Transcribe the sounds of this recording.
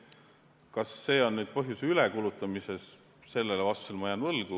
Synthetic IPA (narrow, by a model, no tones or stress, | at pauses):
kɑsːe̞ːo̞nːyːd̪̥̚pɤɦjuseylekulut̪ːˑɑmise̞s | se̞lːelevɑst̪u̥selmɑjɑnvɤlɡ̥u